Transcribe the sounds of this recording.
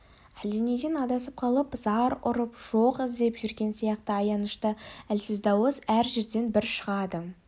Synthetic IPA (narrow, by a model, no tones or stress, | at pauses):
ælened̪enɑd̪ɑsəp̚qʰɑlˠəpzɑɾʊɾəpʒ̥oqɪzd̪e̞pʒʏɾɡʲe̞nsijɑqt̪əɑjɑnəʃt̪əælsɪzd̪ɑwəzæɾʒe̞ɾd̪e̞nbɪɾʃəʁɑd̪ə